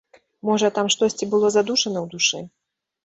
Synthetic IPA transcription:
mɔʐɐt̪amʂt̪ɔsʲt͡sʲibɨlˠɔzad̪uʂɐnɐwd̪uʂɛ

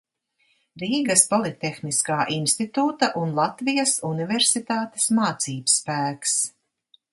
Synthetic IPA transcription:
ɾiːɡɐspɔlˠit̪ʲːexniskaːʔinst̪it̪uːt̪ɐʔunlˠat̪vijɐsunivɛɾsit̪aːt̪e̥smaːt̪siːbsːpæːks

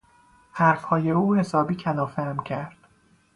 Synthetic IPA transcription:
hæɾfhɒːje̞uːhe̞sɒːbiːcʰælɒːfæmcʲʰæɾd̪̥

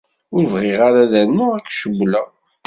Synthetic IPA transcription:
ʊɾvʁɪʁaɾaðænːʊækːʃəbːlæ

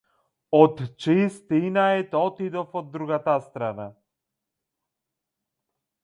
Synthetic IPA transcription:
ɔt̪t͡ʃist̪inaɛt̪ɔt̪id̪ɔfɔd̪ːɾuɡat̪ast̪ɾana

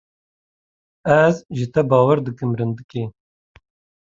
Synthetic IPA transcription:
æzʒɪt̪ɐbɑːwɐɾd̪ɨkɨmɾɨnd̪ɨkeː

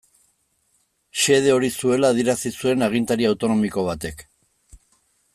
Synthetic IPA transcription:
ʃe̞ð̞e̞o̞ɾisue̞laːðieɾasisue̞naɣ̞int̪aɾiawt̪o̞no̞miko̞β̞at̪e̞k

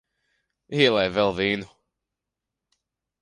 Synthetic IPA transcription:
iɛlˠɛjvɛlˠviːnu

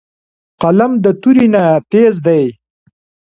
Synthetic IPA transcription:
qalamd̪ət̪uɾinat̪ezd̪aj

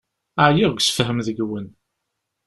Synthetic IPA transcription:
aʕjiʁɡʷsə̥fɦəmðəɡwən

